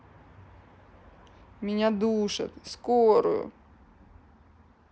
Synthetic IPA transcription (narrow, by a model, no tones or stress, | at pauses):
mʲɪnʲad̪uʂɨ̰t̪skoɾʊ̰jʊ̰